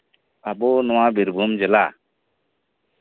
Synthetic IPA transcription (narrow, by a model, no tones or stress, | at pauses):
abonɔwãbiɾbʱumd͡ʒɛla